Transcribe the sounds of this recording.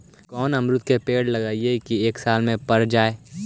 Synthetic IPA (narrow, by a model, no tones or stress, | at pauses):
kɔːnɐmɾʊt̪kepeːɽlɐɡaːiekieːksaːlmẽpɐɾd͡ʒaːeː